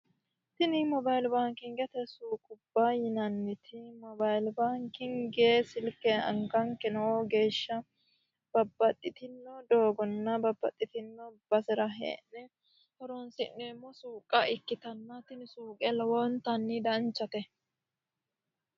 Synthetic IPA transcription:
t̪ɪnɪmɔbɐjlbaːŋkɪŋɡɛt̪ɛsuːkʼʊbːajɪnɐnːɪt̪ʰɪmɔbajlbaːŋkɪŋɡeːsɪlkːɛɐ̰ŋkɐŋkɛnɐwɔɡe̞ːʃːɐ | b̥ɐbːɐt̪ʼːɪt̪ɪnːɔd̪oːɡɔnːɐbɐbːɐt̪ʼːɪt̪ɪnːɔb̥ɐsɛɾɐɦḛːnːɛ | hɔɾonsɪ̰nːeːmːɔsuːkʼɐɪkːɪt̪ɐnːɐt̪ɪnɪsuːkʼɛlɔwɔnt̪ɐnːɪd̪ɐnt͡ʃːɐt̪ɛ

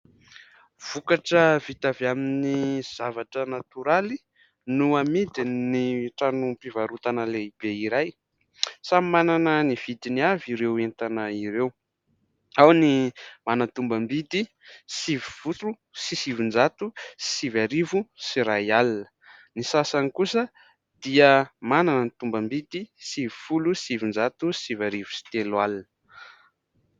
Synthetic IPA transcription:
v̥ukaʈ͡ʂəvit̪avaminiz̥avaʈ͡ʂənat̪uɾali | nuamid̪iniʈ͡ʂanupivaɾut̪anəleib̥eiɾaj | samimananəniv̥id̪iniaviɾewent̪anəiɾew | awnimanənt̪umbəmbid̪i | sivifutu | sisivind͡ʒat̪usi̥sivaɾivusiɾajalinə̥ | nisasanikusə | d̪̥iəmananənt̪umbəmbid̪isivifulusivind͡ʒat̪usivaɾivu̥si̥t̪elwalinə

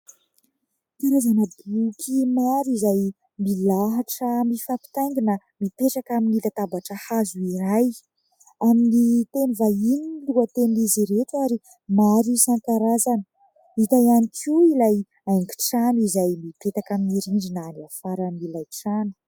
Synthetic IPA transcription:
t̪aɾazanəbukʰimaɾizaj | milaɦaʈ͡ʂəmifapi̥t̪ajŋɡina | mipeʈ͡ʂakaminilat̪abaʈ͡ʂəhazuiɾaj | aminit̪enivaininluat̪eniziɾetaɾi | maɾisaŋkaɾazan | it̪ajanikʰiilaj | ajŋɡi̥ʈ͡ʂanizajmipet̪akaminiɾiɳɖ͡ʐinaniafaɾamilajʈ͡ʂanu̥

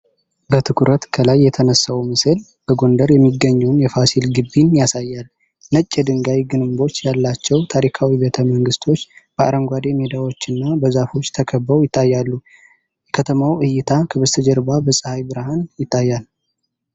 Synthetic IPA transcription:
bət̪ʰɨkʰuɾət̪kʰəlajːɛt̪ʰənəsːawumɨsɨl | b̥əɡo̞nd̪əɾjɛmːiɡːəɲːɛwnjɛfasilɡɨbːinjasajːal | nət͡ʃʼːɛd̪ɨŋɡajɡɨnɨmbo̞t͡ʃːjalːat͡ʃːɛwt̪ʰaɾikʰawibət̪ʰəməŋɡɨst̪ʰo̞t͡ʃːb̥əʔa̰ɾəmɡʷad̪e̞med̪awo̞t͡ʃːɨnːabəzafo̞t͡ʃːt̪ʰəkʰəbːəwjɪt̪ːajːalːu | jɛkʰət̪ʰəmawʔɨjːɪt̪ʰakʰəβəst̪ʰəd͡ʒɛɾbabəsʼɨhajbɨɾhanjɪt̪ʰʼːajːal

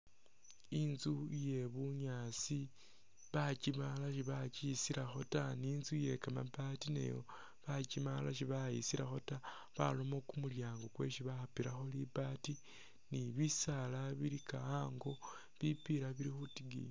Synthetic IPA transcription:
inzuje̞βuɲat͡si | βat͡ʃimalaʃiβat͡ʃisiɾaxo̞taninzuje̞kamabatinḛjo̰ | βat͡ʃimalaʃ̬iβaḭsiɾaxo̞ta | βa̰lo̞mo̞kumuljaːŋɡokwe̞̰ʃiβaxapiɾaxo̞libati | niβisalaβiɾikaaːŋɡo̞ | βipiɾaβiɾixutiɡḭ

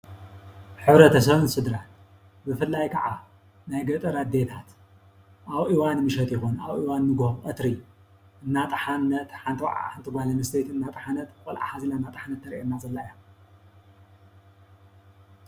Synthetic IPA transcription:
ħɨβɾɐt̪ʰɐsɐβɨnsɨd̪ɾan | bɨfɨlːajkʰɐʕa | najɡɐt̪ʼɐɾad̪et̪ʰat̪ | ʔaβʔiwanmɨʃɐt̪jɪxunaβʔiwanːɨɡohʼɐt̪ɾi | ʔɨnːat̪ʼɐħanːɐt̪ħant̪ʰɨwʕa̰ħant̪ʰɨɡʷalɐmɨst̪ejt̪ɨnːat̪ʼɐħanɐt̪kʼɔlʔa̰ħazilanːat̪ʼɨħanɐt̪ʰːɐɾʔenːazɐlːajom

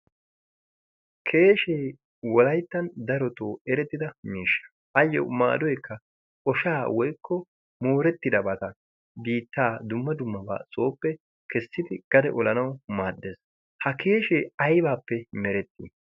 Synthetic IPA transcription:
kʰe̞ːʃeː | wɔlɐjt̪ːɐnd̪ɐɾɔt̪oːɛɾɛt̪ːɪd̪ɐmiːʃːɐ̥ | ʔɐjːɔ̰ma̰ːd̪ɔjkːɐ | ʔɔʃaːwɔjkːɔ | moːɾɛt̪ːɪd̪ɐbɐt̪ɐ | biːt̪ːaːd̪ʊmːɐd̪ʊmːɐba̰ːsʼo̞ːpːɛ | kɛsːɪd̪ɪɡ̥ɐd̪ɛ̰ʔɔlɐnɐwmaːd̪ːeːs | hɐke̞ːʃeːɐjbaːpːɛmɛɾɛt̪ːḭ

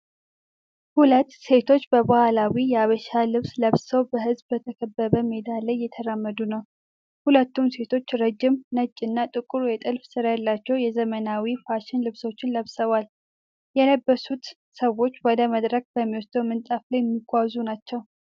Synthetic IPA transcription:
hulət̪ːse̞t̪ʰo̞t͡ʃːbəbahalawijɛaβəʃalɨβsləβsəwbəɦɨzbːət̪ʰəkʰəbːəβəmed̪alːəjːɛt̪ʰəɾamːəd̪unəw | hulət̪ːumse̞t̪ʰo̞t͡ʃːɾəd͡ʒɪmnət͡ʃʼːɪnːat̪ʼɨkʼuɾujɛt̪ʼɨlfsɨɾajalːat͡ʃːɛwjɛzəmənawifaʃɪnlɨβso̞t͡ʃːɪnləβsəβal | jɛləbːəsut̪ | səwːo̞t͡ʃːwɔd̪əməd̪ɾək̚bəmːiwost̪ʰəwmɨnt̪ʼaflajmːiɡʷawzunat͡ʃːɛw

